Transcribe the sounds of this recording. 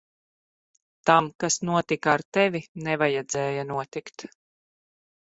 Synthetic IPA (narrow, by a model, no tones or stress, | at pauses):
t̪amkasnuɔt̪ikaaɾt̪ɛvinɛvajɛd̪zɛːjanuɔt̪ikt̪